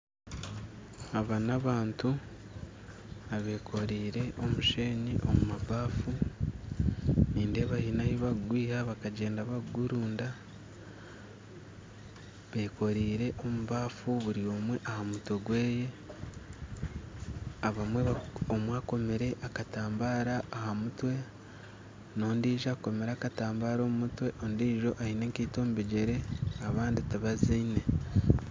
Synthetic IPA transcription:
aβanaβaːntu | aβe̞kʰo̞ɾiːɾe̞ʔo̞muʃe̞ːɲiʔo̞mumaβaːfu | niːnde̞βahinahiβaɡwiːhaβakaɟe̞ːndaβaɡuɾuːnda | βe̞ːko̞ɾiːɾe̞ʔo̞muβaːfuβuɾio̞mwe̞ʔahamutweɡwe̞ːje̞ | aβamwe̞βaomwaːko̞meɾe̞ʔakataːmbaːɾaːhamutwe̞ | no̞ːndiːʒako̞me̞ɾaːkataːmbaːɾo̞ːmumutwe̞ʔo̞ndiːʒo̞ʔaineŋkiːto̞ːmubeɟeɾe̞aβaːnditaβaziːne̞

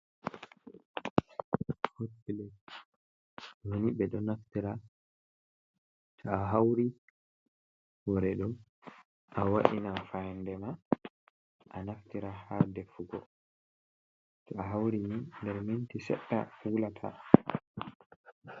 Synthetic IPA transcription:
hotːilɛ | noniɓɛɗɔnaftiɾa | tʰɔaɦawɾi | wɔɾɛɗɔ | ʔawaɗinafajndɛma | ʔanaftiɾahadɛfuɡɔ | tɔaɦawɾimindɛɾmintisɛ̰ɗːa̰hulatʰa̰

